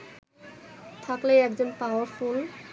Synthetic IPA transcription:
t̪ʰaklejɛkzɔnpawəɹpʰul

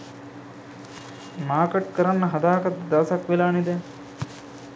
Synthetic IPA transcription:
maːɾkeʈkəɾanːɐɦɐd̪aːkɐt̪ːd̪ɐʋɐsɐkʋilaːnid̪ɛ

